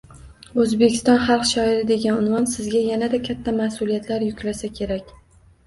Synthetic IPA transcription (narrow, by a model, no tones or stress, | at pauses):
ɵzbekʲʰɪ̥st̪ɒnχɑlˠqʃɒɪɾɪd̪e̞ɡʲanʊnvɒnsɪzɡʲajanad̪akʲʰat̪ʰːamasʊlijat̪laɾjʊkʲlasakʲʰe̞ɾakʲ